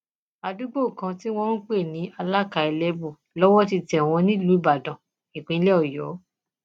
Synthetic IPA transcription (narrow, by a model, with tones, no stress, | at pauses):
a˧du˦ɡ͡bo˦˨kã˧ti˦w̃ɔ̃˦ɾũ˦k͡pe˦˨nĩ˨˦a˧la˦˨ka˧˨i˧lɛ˦bu˦˨ | lɔ˦wɔ˦ti˧tɛ˨w̃ɔ̃˧nĩ˦lu˨˦ba˨dã˨ | i˨k͡pĩ˨˦lɛ˦ɔ˦˨jɔ˨˦